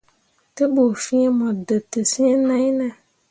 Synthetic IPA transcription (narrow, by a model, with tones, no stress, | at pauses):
tə˦bo˨fĩ˦e˦mɔ̃˨də˨tə˨sĩ˦e˦nã˦jnã˨